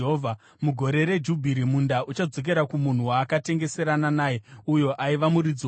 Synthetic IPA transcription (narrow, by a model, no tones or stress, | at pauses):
ɦovʱa | muɡʱo̞ɾe̞ɾe̞d͡ʒubʱiɾimundaʔut͡ʃad͡zo̞k̬e̞ɾakumun̤uwaːkate̞ŋɡe̞se̞ɾananaːjeujo̞ʔaiʋamuɾid͡zi